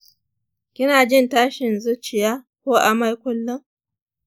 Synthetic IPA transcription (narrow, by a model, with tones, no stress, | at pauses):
kʲɪ˦naː˨d͡ʒɪ˦˨ntaː˦ʃɪ˨nzʊ˦t͡ʃɪ˨jaː˦ | kʷoː˦ʔa˨ma˦jkʷʊ˦lːʊ˦ŋ